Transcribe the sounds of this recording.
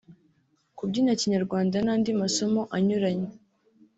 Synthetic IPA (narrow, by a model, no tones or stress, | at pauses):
kubɟiːnaciɲaɾɡwaːndanaːndimaso̞mo̞ʔaɲuɾaɲe